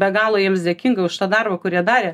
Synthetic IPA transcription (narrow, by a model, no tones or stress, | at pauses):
bʲɛɡɑːlˠoːjiɛmsd̪ʲɛkʲiŋɡɐʊʃt̪ɑːd̪ɐrbɐkʊɾʲiɛd̪ɑːɾʲeː